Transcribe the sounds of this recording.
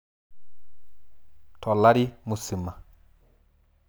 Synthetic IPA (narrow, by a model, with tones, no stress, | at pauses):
tʰɔ˨lːa˦ɾi˦mu˨si˨mːa˨